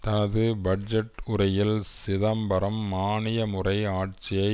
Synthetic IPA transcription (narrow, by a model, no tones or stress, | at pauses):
t̪ɐnɐðɯbɐɖd͡ʒɛʈʊɾɐjɪlsɪðɐmbɐɾɐmːaːɳɪjɐmɯrɐɪaːʈ̚t͡ʃɪjɐɪ